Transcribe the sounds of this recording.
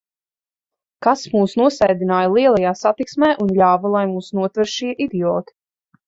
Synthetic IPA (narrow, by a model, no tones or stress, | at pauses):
kasmuːsnuɔsɛjd̪inaːjalˠiɛlˠajaːsat̪iksmɛːʔunʎʲaːvalˠajmuːsnuɔt̪vɛɾʃiɛʔid̪iɔːt̪i̥